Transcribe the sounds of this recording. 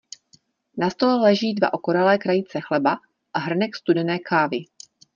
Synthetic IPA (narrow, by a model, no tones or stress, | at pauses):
nast̪o̞lɛlɛʒiːdva̰ʔo̞koɾalɛːkɾajit͡sɛxlɛba | ʔaɦr̩nɛkst̪udɛnɛːkʰaːvɪ